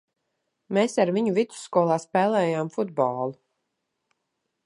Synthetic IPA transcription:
meːsaɾviɲuvit̪su̥skuɔlˠaːspɛːlˠɛːjaːmfud̪̚bɔːlˠu

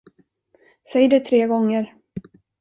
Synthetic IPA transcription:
sɛjd̪ɛt̪ʰɾeːɡɔŋːəɾ

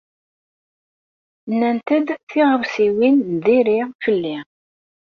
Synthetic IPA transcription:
nːænt̪əd̪θiʁəvsiwinðiɾifəlːi

